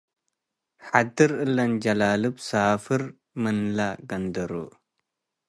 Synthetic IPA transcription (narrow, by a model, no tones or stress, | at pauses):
ħad̪ɨɾɨlːɐnd͡ʒɐlaːlɨbsaːfɨɾ | mɨnlaɡɐnd̪ɐɾo̰